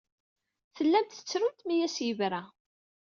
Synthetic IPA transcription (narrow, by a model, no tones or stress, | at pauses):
θəlːænt̪θə̥t͡sːɾʊnt̪mijæsjəvɾæ